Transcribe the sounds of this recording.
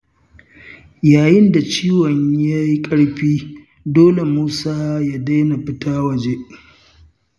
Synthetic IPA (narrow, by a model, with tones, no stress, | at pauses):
jaː˨jɪ˦nda˨t͡ʃiː˦wɔ˨ɲja˦ji˦kʼɐ˦ɽɸiː˦ | doː˦le˨muː˦saː˦ja˦da˦jna˨ɸɪ˦tʰaː˦wɐ˨d͡ʒe˦